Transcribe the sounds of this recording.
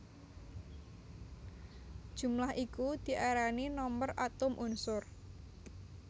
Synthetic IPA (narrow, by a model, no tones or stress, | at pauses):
d̥ʒ̥ṳmlahʔikud̪̥i̤ʔaɾaninɔmbərʔat̪ʊmʔʊnsʊr